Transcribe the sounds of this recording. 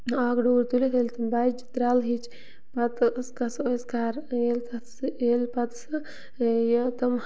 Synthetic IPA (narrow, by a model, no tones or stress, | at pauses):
aːɡɖoːɾt̪ulet̪ʰelʲt̪ɐmbad͡ʒd͡ʒit̪ɾaːlɦit͡ʃʰ | pɐt̪skɐsoskaːɾelkɐselpɐt̪sɨ | jɐt̪ɐm